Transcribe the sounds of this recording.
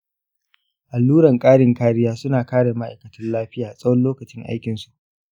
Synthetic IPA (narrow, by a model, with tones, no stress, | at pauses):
ʔa˨lːuː˦ɽɐ˨ŋkʼaː˦ɽɪ˨ŋkaː˦ɽɪ˦jaː˦sʊ˦naː˨kaː˦ɽe˨ma˦ʔa˨jkɐ˨tɐ˦nlaː˦ɸɪ˦jaː˨sʼɐ˦wɐ˦nloː˦kɐ˨t͡ʃɪ˦ŋʔa̰˦jkʲɪ˨nsu˨ʔ